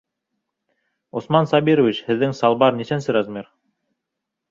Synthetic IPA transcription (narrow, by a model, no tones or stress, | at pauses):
osmɑnsɑbiɾŏvʲit͡ɕhɘ̆ðːɘŋsɑlˠbɑɾnisænsɘɾɑzmʲiɾ